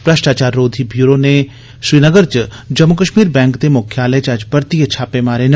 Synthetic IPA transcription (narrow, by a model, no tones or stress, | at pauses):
pɾəʃʈaːt͡ʃaːɾːoːd̪ʱibjuːɾoːne | sɾiːnəɡəɾt͡ʃ | d͡ʒɐmːʊkəʃmiːɾbɛ̃ːŋkd̪emʊkʰjaːlɛt͡ʃɐd͡ʒpəɾt̪iətːt͡ʃʰʃʰaːpeːmaːɾen